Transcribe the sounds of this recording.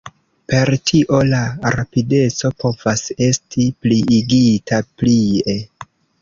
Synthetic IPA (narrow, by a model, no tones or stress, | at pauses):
pe̞ɾtʰiʔo̞laɾapide̞t͡so̞po̞v̥ase̞stʰipliːɡitʰaplie